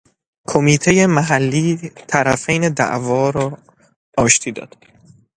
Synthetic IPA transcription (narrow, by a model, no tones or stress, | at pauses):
kʰomiːt̪ʰe̞jemæɦælːiːt̪ʰæɾæfejned̪æ̰ʔvɒːɾɒː | ɒːʃt̪ʰiːd̪ɒ̰ːd̪̥